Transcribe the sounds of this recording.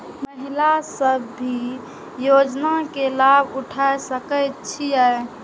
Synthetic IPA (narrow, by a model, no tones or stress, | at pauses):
məɦilasəbːʱi | jod͡ʒnakelabuʈʰaesəkəjt̪t͡ʃʰijə